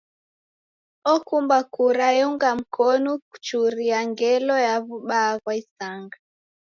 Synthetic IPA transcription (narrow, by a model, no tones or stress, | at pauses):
ɔkumbakuɾajuŋɡam̩kʰɔnɔku̥t͡ʃuɾiaŋɡɛlɔjaβuɓaːɣwaisaŋɡa